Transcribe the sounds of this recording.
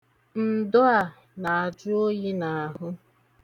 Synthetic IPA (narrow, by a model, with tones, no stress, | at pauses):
n̩˨dʊ˦a˨ | na˨a˨d͡ʒʊ˦o˦ji˦na˨a˨ɦʊ˦